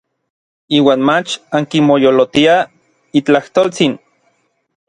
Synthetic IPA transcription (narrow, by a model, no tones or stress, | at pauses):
iːwaːnmat͡ʃaŋkimojolot̪ia | it͡ɬaht̪oːlt͡sin